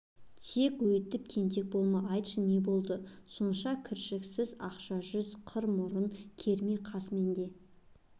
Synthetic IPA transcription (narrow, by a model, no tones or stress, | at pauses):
t̪ʰe̞kwɵjt̪ːɪp̚kʲʰe̞nt̪̬e̞k̚bo̞lˠmɑʔɑjt̪ʃəne̞bo̞lˠd̪əso̞nʃɑkʲʰɪɾʃɪksɪzɑqʃɑʒʏzqʰəɾmʊɾənkʲʰe̞ɾmeqʰɑsme̞nd̪e̞